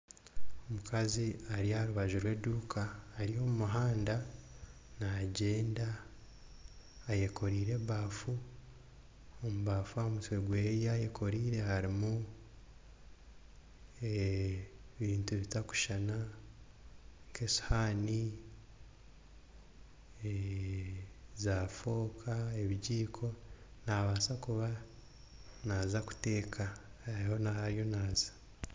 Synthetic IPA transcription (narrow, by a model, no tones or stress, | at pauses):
omukaziaɾiaɾuβaʒuɾwe̞ːduːkʰaːɾijo̞mumuɦaːnda | naɟe̞ːnda | je̞ko̞ɾiːɾe̞βaːfu | omuβaːfuamutweɡwejajekʰo̞ɾiːɾe̞haɾimu | e | βiːntuβitaku̥ʃana | ŋkesu̥haːni | e | zafo̞ːkʰaeβiɟiːkʰo̞naβaːsakuβa | naːzaku̥te̞ːkʰahaɾiho̞nahaɾjo̞naːzḁ